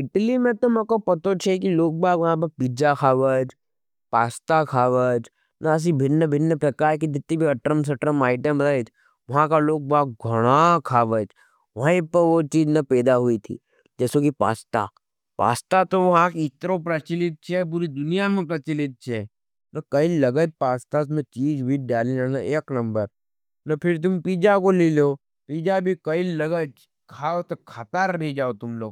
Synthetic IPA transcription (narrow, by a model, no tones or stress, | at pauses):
ɪʈlimẽt̪omɐkopɐt̪ot͡ʃʰɛk̬iloːk̚baːɡʋɐɦãp̬ɐpid͡ʒakʰaːʋəd͡ʒ | paːst̪akʰaːʋəd͡ʒ | naːs̬ibʱɪnːəbʱɪnːəpɾɐkaːɾkid͡ʒ̪ɪt̪ːĩbʱiɐʈɾəms̬ɐʈɾəmaːɪʈəmɾət͡ʃ | ʋɐɦãkaloːk̚bʱaːkɡʱɐɽ̃akʰaːʋəd͡ʒ | ʋɐɦaĩpɐɾʋot͡ʃiːd͡ʒnɐpɛːd̪aɦuit̪ʰḭː | d͡ʒɛːsokipa̰ːst̪a̰ | pa̰ːst̪at̪oʋɐɦãkɪt̪ɾop̬ɾət͡ʃɪlɪt̪̚t͡ʃʰɛp̬ʊɾid̪ʊnijamẽpɾɐt͡ʃɪlɪt̪̚t͡ʃʰɛ | nɐkɐillɐɡət͡ʃ̚paːst̪as̬mẽt͡ʃiːzbʱiɖaːlilanɐeːknɐ̃mbəɾ | nɐpʰɪɾt̪̬ʊmpiːd͡ʒakoliloː | piːd͡ʒabʱikɐɪllɐɡəd͡ʒ | kʰaːot̪okʰat̪aɾbʱed͡ʒaːot̪ʊmloːɡ